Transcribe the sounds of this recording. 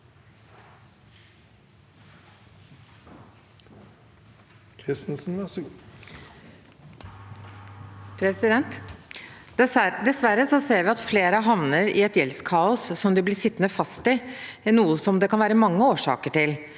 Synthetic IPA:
kʰʁɪst̪n̩sn̩ʋæs | pʰɾɛsɪd̪ɛnt̪ | d̪ɛsʋæɾəsɔseːɾʋɪɑt̪fleːɾəɦɑʋnəɾɪ̰ɛt̪jɛlskʰɑːʊsːɔmd̪ɪblɪʂɪt̪ːnəfɑst̪ɪnuːəsɔmd̪ɛkʰɑnʋæːɾəmɑŋːəoːʂɑ̰ːkəʈɪl

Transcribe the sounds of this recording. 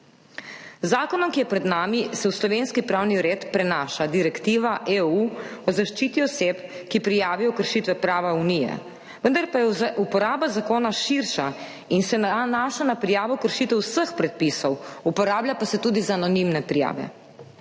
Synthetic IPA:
zaːkɔnɔmkijɛpɾɛd̪naːmisɛwslɔʋeːnskipɾawniɾeːt̪pɾɛnaːʃad̪iɾɛkt̪iːʋaʔeuɔzaʃt͡ʃiːt̪iɔsepkipɾijaːʋijɔkəɾʃit̪ʋɛpɾaːʋaunijɛ̰ | ʋənd̪aɾpajɛupɔɾaːbazakoːnaʃiɾʃa | insɛnaːʃanapɾijaːʋɔkəɾʃiːt̪ɛwsəxpɾɛt̪̚pisɔwupɔɾaːblʲapasɛt̪uːd̪izaanɔnimnɛpɾija̰ːʋɛ̰

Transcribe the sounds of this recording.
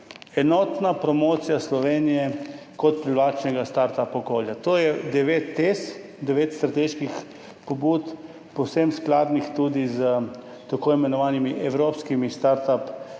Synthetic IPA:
ɛnɔːt̪napɾɔmoːt̪sijaslɔʋeːnijɛkɔt̪̚pɾilʋaːt͡ʃnɛɡast̪aɾt̪apɔkoːljat̪oːjɛd̪ɛʋeːt̪ːes | d̪ɛʋeːt̪st̪ɾat̪eːʃkix | pobuːt̪ | pɔwsemsklaːd̪nixt̪ud̪izə | t̪akoimɛnɔʋaːnimiʔɛwɾoːpskimist̪aɾt̪ap

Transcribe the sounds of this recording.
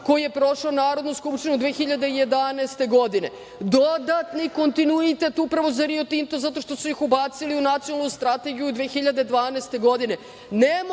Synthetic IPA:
ko̞jije̞pɾo̞ʃaonaːɾo̞d̪nuskupʃt̪inud̪ʋexiʎad̪e̞ijed̪anɛːst̪e̞ɡo̞d̪ine̞ | d̪od̪at̪niko̞nt̪inuit̪e̞t̪upɾaʋo̞zaɾiot̪int̪ozat̪o̞ʃt̪o̞sujixubat̪siliunat̪sionalnust̪ɾat̪e̞ɡijud̪ʋeːxiʎad̪ed̪ʋaːnɛːst̪e̞ɡo̞d̪ine̞ | nem

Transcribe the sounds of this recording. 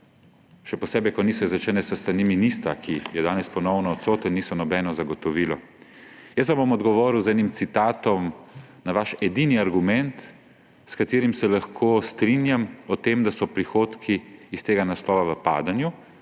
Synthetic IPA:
ʃɛpɔsɛːbɛkɔniːsɔizɾɛt͡ʃɛnɛsəst̪ɾaniminist̪ɾakʰijɛd̪aːnɛspɔnɔwnɔːt̪soːt̪əniːsɔnɔbɛnɔzaɡɔt̪ɔʋiːlɔ | jəs̬ʋamboɔmɔd̪ɡɔʋɔɾiwzɛːnimt̪sit̪aːt̪ɔmnaʋaʃɛd̪iniaɾɡumɛnt̪ | skat̪iːɾimsɛlaxkʰoːst̪ɾinjamɔt̪emd̪asɔpɾixoːt̪kʰiːst̪eːɡanaslɔːʋaʋəpa̰ːd̪anju

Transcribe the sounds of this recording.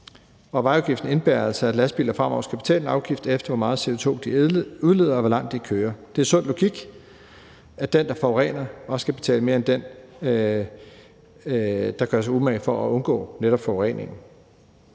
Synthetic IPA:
ɒ̽ʋɑ̈ɪɑʊɡ̥ifd̥n̩e̝nb̥æɐælsəæd̥læsb̥ḭːlɐfʁɑmɒ̰ʊ̰ɐsɡ̥æb̥e̝t͡sʰɛ̰ːlenɑ̈ʊɡ̥ifd̥efd̥ɐʋɒmɑ̈ːð̞̩ˠse̝o̝t͡sʰo̝̰ːd̥iuðˠle̝ð̰ˠɐɒʋɒlɑ̈ŋ̰d̥ikʰøːɐd̥e̝æɐsɔ̽n̰dlo̝ɡ̥iɡ̥ | æd̥end̥ɑ̈fɒʊʁɛ̰ːnɐɒ̽sə̥sɡ̥æb̥e̝̥t͡sʰɛ̰ːləme̝ɐend̥en | d̥ɑ̈ɡ̥ɶɐs̬ɑ̈ɪumæfɒ̽æɔ̽nɡ̥ɔ̰̽ːneɾɒ̽b̥fɒʊʁɛ̰ne̝ŋn̩

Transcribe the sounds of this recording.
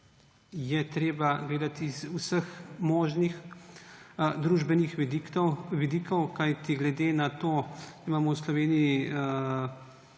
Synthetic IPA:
jɛt̪ɾeːbaɡleːd̪at̪izusəxmɔːʒnix | d̪ɾuːʒbɛnixʋd̪ʋid̪ikɔwkajt̪iɡlɛd̪enat̪oːɾimaːmɔwslɔʋeːnii

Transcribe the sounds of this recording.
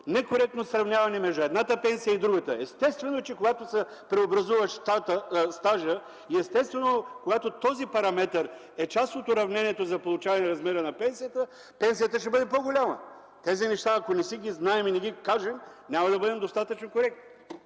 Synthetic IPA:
nɛkoɾɛk̚t̪nosɾɐvnʲjavɐnɛmɛʒd̪ʊɛd̪nat̪əpɛnsijəid̪ɾuɡət̪əɛst̪ɛst̪vɛnot͡ʃɛkoɡat̪osɛ | pɾɛobɾɐzuvɐʃt̪at̪əst̪aʒə | iɛst̪ɛst̪vɛnokoɡat̪ot̪ɔzipɐɾɐmɛt̪əɾ | ɛt͡ʃast̪ot̪ʊɾɐvnɛnʲiɛt̪ozɐpolˠʊt͡ʃavɐnɛɾɐzmɛɾənɐpɛnsijət̪ə | pɛns̬ijət̪əʃ̬t̪ɛbɤd̪ɛpoɡolʲamə̰ | t̪ɛzinɛʃt̪aːkonɛsiɡʲiznaɛminɛɡʲikaʒɛmnʲamɐd̪ɐbɤd̪ɛmd̪ost̪at̪ɐt͡ʃnokoɾɛk̚t̪

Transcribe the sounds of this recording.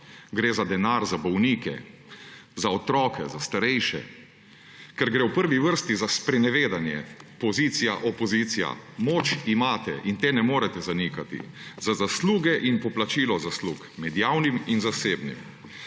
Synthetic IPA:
ɡɾeːzad̪ɛnaːɾzabɔwniːkɛ̰ | zaɔt̪ɾɔːkɛzast̪aɾɛjʃɛ̰ | kɛɾɡɾewpəɾʋiʋəɾst̪izaspɾɛnɛʋeːd̪anjɛ̰pɔziːt̪sija̰ʔɔpɔziːt̪sija̰moːt͡ʃimaːt̪ɛ̰ʔint̪eːnɛmoːɾɛt̪ɛzanikat̪ḭzazasluːɡɛʔinpɔplat͡ʃiːlɔzasluːkmɛd̪jaːwniminzaseːbnḭm

